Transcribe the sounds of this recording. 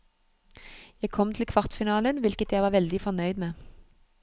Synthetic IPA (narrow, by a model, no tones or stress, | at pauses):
jæɪkʰɔmt̪ʰɪl̩kʰʋɑʁt̪fɪnɑːlənʋɪlkət̪jæɪʋɑːʋɛld̪ɪfɔʁnœʏd̪meː